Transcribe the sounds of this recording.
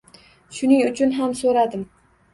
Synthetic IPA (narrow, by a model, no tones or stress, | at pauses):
ʃʊnɪŋʊt͡ʃʰʊnɦamsoɾad̪ɪm